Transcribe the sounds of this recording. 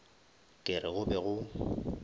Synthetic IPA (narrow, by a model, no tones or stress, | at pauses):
kʼɪrɪɣʊbɛɣʊ